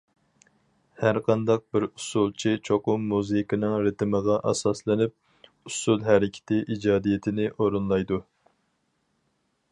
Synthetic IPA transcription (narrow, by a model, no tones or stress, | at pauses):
hæɾqʰɑnd̪ɑq̚bɪɾusulˠt͡ʃʰit͡ʃʰoqʊmːuzɨjkɨnɨŋɾɪt̪ʰɪməʁɑʔɑ̰sɑslˠɨnɪp̚ | usulˠɦæɾɪkʲʰɪ̥t̪ʰɪʔid͡ʒɑːd̪ijɪt̪ʰɪnɪʔoɾunlˠɑjd̪u